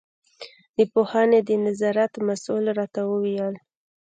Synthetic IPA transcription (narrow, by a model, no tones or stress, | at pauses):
d̪̥əpohaned̪ənazɑɾat̪masulɾɑt̪awəwijəl